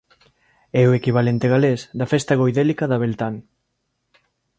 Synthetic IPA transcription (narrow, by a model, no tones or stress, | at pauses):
ɛoekiβ̞alent̪eɣalesd̪ɐfest̪aɣ̞ojðelikaðɐβelt̪aŋ